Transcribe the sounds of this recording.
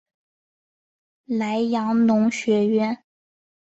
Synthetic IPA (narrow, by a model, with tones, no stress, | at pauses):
la˧˥ɪjɑ˧˥ŋnʊ˧˥ŋɕɥɛ˧˥ɥɛ˥n